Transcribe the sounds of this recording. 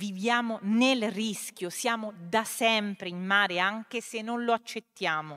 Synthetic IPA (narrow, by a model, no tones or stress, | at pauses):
vivjaːmonelriskʲjosjaːmod̪asɛmpɾeimːaːɾeaŋk̟esenːonloat͡ʃːet̪ːjaːmo